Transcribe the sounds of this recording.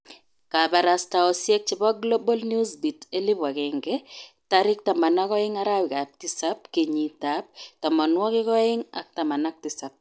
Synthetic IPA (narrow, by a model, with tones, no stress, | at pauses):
ka˨ba˨ɾa˨sta˨ɔ˨sjɛ˦k̚t͡ʃɪ˨bɔ˦ɡlo˦bɔ˦lnju˦sbi˨te˦lɪ˦ba˨kɪ˨ŋɡɛ˦ | ta˦ɾɪ˦k̚ta˨ma˨na˦kɔ˦ɪ˦ŋa˦ɾa˦wɪ˨ka˨p̚tɪ˦sa˦p̚ke˨ɲi˨ta˨˦p̚ta˨mɔ˨nwɔ˦kɪ˦kɔ˦ɪ˦ŋa̰˨k̚ta˨ma˨na˦k̚tɪ˦sa˨p̚